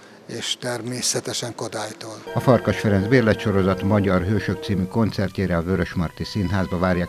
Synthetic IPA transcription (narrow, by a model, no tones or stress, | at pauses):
eːʃt̪ɛrmeːsɛt̪ɛʃɛŋkod̪aːjt̪oːlɒfɒrkɒʃfɛɾɛnzbeːrlɛt̪ʃo̞ɾo̞zɒt̪mɒɟɒrɦøːʃøk̚t̪siːmyko̞nt̪sɛrc̪eːɾɛɒvøɾøʃmɒrt̪isinɦaːzbɒvaːɾjaː